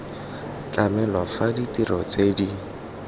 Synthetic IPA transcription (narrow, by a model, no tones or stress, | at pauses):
kʼamɛlwafaditʼiɾʔɔt͡sʼedi